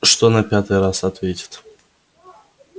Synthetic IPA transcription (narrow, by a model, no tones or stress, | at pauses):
ʂt̪onɐpʲat̪ɨjrasɐt̪vʲetʲɪ̥t̪